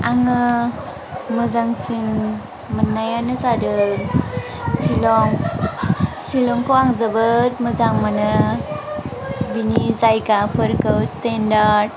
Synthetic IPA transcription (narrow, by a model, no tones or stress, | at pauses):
aŋɯ | mɯzaŋsiŋ | mənːajanɯzadɯ | silɔŋ | silɔŋkowaŋzəbɯt̚məzaŋmanɯ | binizajɡapʰɯɾkɯwstendaɾd̚